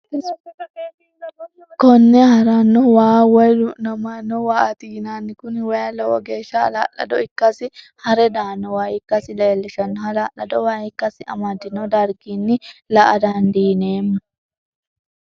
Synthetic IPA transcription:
kɔnːɛhɐɾanːɔwaːwɐjʊnɐmanːɔwaːʔɐt̪iːnaːnːɪkʊnwɐjɐlɐwɔ̰ɡe̞ːʃːɐ̰ːla̰ːlːɐ̰d̪ɔɪkːɐsɪ | hɐɾɛd̪aːnːɔwaːjɪkːɐsɪleːlːɪʃɐnːɔɦɐlaːlɐd̪ɔwaːɪkːɐsɪɐ̰mɐd̪ɪnɔd̪ɐɾɡinːɪlɐʔɐ̰d̪and̪iːneːmːʊ

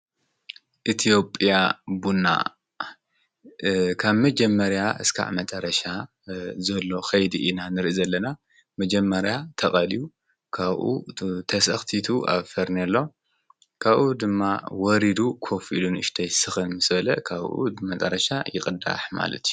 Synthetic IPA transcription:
ʔit̪ʰijo̞pʼijabunːa̰ | kʰaβmɐd͡ʒɐmːɐɾjaʔɨskʰa̰ʔmɐt͡sʼɐɾɐʃa | zɐlːo̞xɐjd̪iʔinanɨɾʔizɐlːɐna | mɐd͡ʒɐmːɐɾjat̪ʰɐχʼɐliju | kʰaβʔṵt̪ʰɐsɐxt̪ʰit̪ʰuʔa̰βfɐɾnɐlːo̞ | kʰaβʔud̪ɨmːawɔɾid̪ukʰo̞filunɨʃt̪ʰɐjsɨxɨnmɨsbɐlɐkʰaβʔṵmɐt͡sʼɐɾɐʃajɪxʼɨd̪a̰ħma̰lɐ̰t̪ʰiju

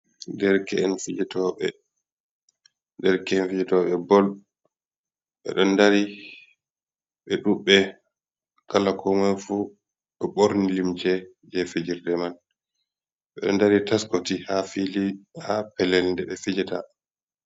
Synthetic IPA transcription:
ndɛɾkɛːnfid͡ʒɛtɔɓɛ̰ | dɛɾkɛɛnfid͡ʒɛtɔɓɛbɔl | ɓɛ̰ɗɔnːdaɾi | ɓɛɗuɓːɛ | kalakʰɔŋɛnfu | ɓɛɓoɾnilimt͡ʃɛ | d͡ʒɛfid͡ʒiɾdɛman | ɓɛɗɔ̰ndaɾitaskotihafilihapɛlɛlndɛɓɛfid͡ʒɛta̰

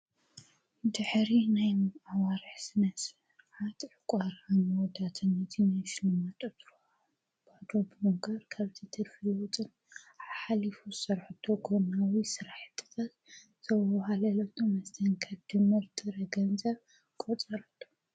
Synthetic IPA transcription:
d̪ɨħɾinajmawaɾɨħsɨnɐsɨɾħat̪ʕɨkʷʼaɾamod̪at̪ʰɐnɐt̪ʰinajʃɪlɨmat̪ʼɐt̪ɾo | bad̪obɨmoɡɐɾkʰaβt̪ʰit̪ʰɨɾfɨlɔt͡sʼɨn | ħalifuɨsɐɾħɨt̪ʰoɡʰonawisɨɾaħt̪ʼːɨ̥t̪ʰat̪ | zʰɐwhalɐlɐt̪ʰomɐst̪ʰɐnkʰɐd̪̥ɨmɨɾt̪ʰʼɨɾɐɡɐnzɐβ | kʼot͡sʼɐɾɐt̪ʰːo̥

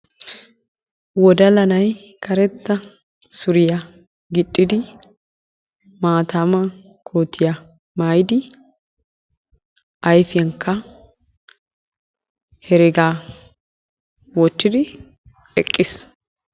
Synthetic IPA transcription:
wɔd̪ɐlɐnɐj | kʰɐɾɛt̪ːɐ | sʊɾɪjɐ | ɡɪɗʼːɪd̪ɪ | maːt̪aːmɐ | kʰoːt̪ʰːɪjɐ | maːjd̪ɪ | ɐjfɪjɐŋkʰːɐ | hɛɾɛɡaː | wɔtːɪd̪ɪ | ɛkʼːɪs

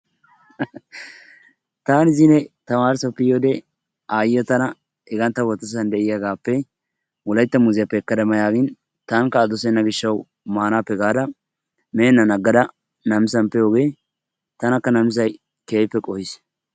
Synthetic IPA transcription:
t̪aːnɪzɪnɛt̪ɐmaːɾsɐpːɪjoːd̪ɛ | aːjɪjɔt̪ɐnɐ | ɛɡɐnt̪ːɐwɔt̪ːɔs̬ɐnd̪ɛʔɪjɐɡaːpːɛ | wɔlɐjt̪ːɐmʊzɪjɐpːɛːkːɐd̪ɐmɐjaːɡɪn | t̪ɐŋkɐːd̪ɔsɛnːɐɡɪʃːɐw | maːnaːpːɛɡaːd̪ɐ | meːnːɐnɐɡːɐd̪ɐ | nɐmɪsɐmpɛjoːɡeː | t̪ɐnɐkːɐnɐmɪs̬ɐj | keːpːɛkʼɔhɪs

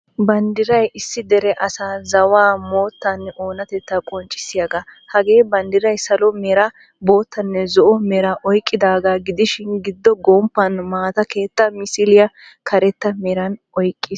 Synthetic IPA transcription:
bɐnd̪ɪɾɐjɪsːɪd̪ɛɾɛʔɐsaːzɐwaːmo̞ːt̪ːɐnːɛo̞ːnɐt̪ɛt̪ːɐkʼɔnt͡ʃʼːɪ̥sɪjɐɡa | hɐɡeːbɐnd̪ɪɾɐjsɐlɔmɛɾɐ | bo̞ːt̪ːɐnːɛzɔʔɔmɛɾɐʔɔjkʼːɪd̪aːɡaɡɪd̪ɪʃɪnɡɪd̪ːɔɡɔmpːɐnmaːt̪ɐke̞ːt̪ːɐmɪsɪlɪjɐ | kʰɐɾɛt̪ːɐmeɾɐnʔɔjkʼːɪs

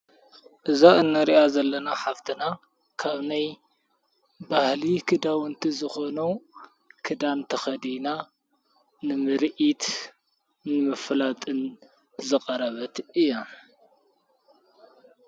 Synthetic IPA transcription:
ʔɨzaɨnːɐɾiʔazɐlːɐnaħaft̪ʰɨna | kʰaβnaj | bahlikʰɨd̪awɨnt̪ʰizɨxo̞nɐ | kʰɨd̪ant̪ʰɐxɐd̪ina | nɨmɨɾʔit̪ | nɨmɨflat̪ʼɨn | zɨqʼɐɾɐβɐt̪ɨjːa

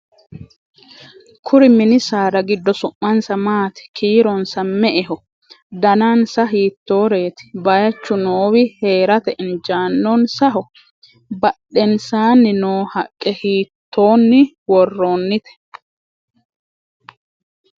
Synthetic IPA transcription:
kʰʊɾɪmɪnɪsaːɾɐɡɪd̪ːɔsʊʔːɐnsɐmaːt̪ɪ̥kʰiːɾɔnsɐmːɛʔɛɦɔ | d̪ɐnaːnsɐɦiːt̪ːo̞ːɾe̞ːt̪ɪ̥bɐjɐt͡ʃːʊnoːwɪheːɾɐt̪ɛʔɪnd͡ʒaːnːɔnsɐɦɔ | bɐɗːɛnsaːnːɪnoːhɐkʼːɛhiːt̪ʰːo̞ːnːɪ | wɔrːo̞ːnːɪt̪ɛ̥

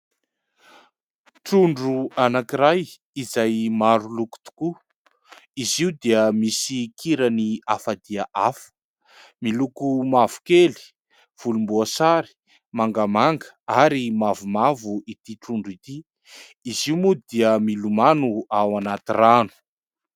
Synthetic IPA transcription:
ʈ͡ʂuɳɖ͡ʐuanakiɾaj | izajmaɾuluku̥t̪u̥ku | iziud̪iəmisikʰiɾəniafad̪iaʔafə̥ | milukumavu̥keli̥ | v̥ulumbuasaɾi̥ | maŋɡamaŋɡəaɾimavumavuit̪iʈ͡ʂuɳɖ͡ʐit̪i | iziumud̪iəmilumanuawanat̪iranu̥

